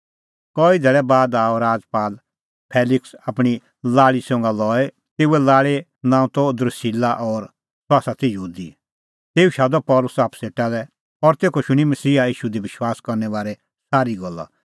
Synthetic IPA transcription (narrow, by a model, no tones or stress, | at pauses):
kɔːid̪ʱɛːɭɛbaːd̪aːoɾaːd͡zpaːl | pʰɛːlɪksapɽ̃i | laːɭisʊ̃ŋɡalɔːe | t̪eːuɛlaːɭe | nãːũt̪ɔd̪ɾsiːlaʔɔɾ | saːsat̪ʰijəɦuːd̪i | t̪eːuʃaːd̪ɔpɔːlʊsaːpseːʈalɛ | ɔɾt̪eːkoʃʊɽ̃imɐsiːaiːʃud̪ibɪʃwaːskɔɾnɛʋaːɾɛ | saːɾiɡɔlːa̰